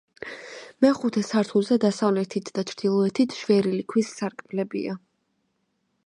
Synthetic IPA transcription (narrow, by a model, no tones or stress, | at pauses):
mɛχut̪ʰɛsaɾt̪ʰulˠzɛd̪asavlɛt̪ʰit̪ʰd̪at͡ʃʰɾd̪̥ilˠɔɛt̪ʰit̪ʰʃvɛɾilikʰwisːaɾkʼblɛbḭa